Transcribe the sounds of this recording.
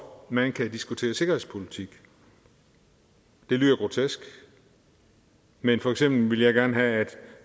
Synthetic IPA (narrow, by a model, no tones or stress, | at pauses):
mænkʰæd̥isɡ̥ut͡sʰe̝̰ːɐse̝ɡ̥ɐhe̝ðˠspʰo̝lit͡sʰiɡ̥ | d̥e̝lyːðˠɐɡ̥ʁo̝t͡sʰesɡ̥ | menfɒ̽eɡ̥sem̰b̥l̩ʋe̝ljɑɪɡ̥æɐnəɦææd̥